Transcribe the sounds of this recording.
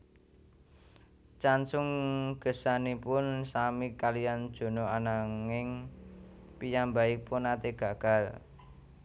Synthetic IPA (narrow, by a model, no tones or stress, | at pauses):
t͡ʃansʊŋɡ̥ə̤sanipʊnsamikalijand̥ʒ̥o̤noanaŋɪŋ | pijambaɪk̚pʊnat̪eɡ̥a̤ɡ̥a̤l